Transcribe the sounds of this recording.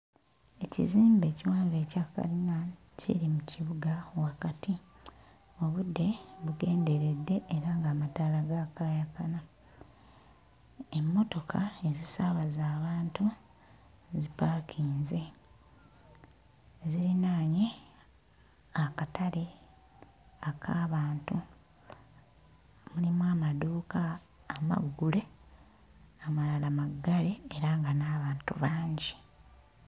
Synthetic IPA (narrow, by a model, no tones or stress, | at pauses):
e̞cḭziːmbe̞ːciwaːɱve̞ːcaka̰lina | cḭɾimuciβuɡawakati | o̞βudːe̞βuɡe̞ːnde̞ɾe̞dːe̞ʔːɾaːŋɡaːmataːlaɡakaːjakana | emːo̞to̞kʰae̞zisaβazaːβaːntu | zipaːkʰiːnze̞ | ziɾinaːɲe | akatʰali | akʰaːβaːntu | mulimwaːmaduːkaː | ma̰ɡːule̞ | amalalamaɡːale̞ːɾaŋɡanaːβaːntṵβaːɲɟi